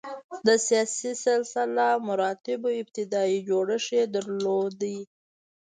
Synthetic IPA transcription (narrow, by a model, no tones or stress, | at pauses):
d̪əsijɑsisɪlsɪlamʊɾɑt̪ɪboɪb̚t̪ɪd̪ɑid͡ʒoɽəʂed̪əɾlod̪ai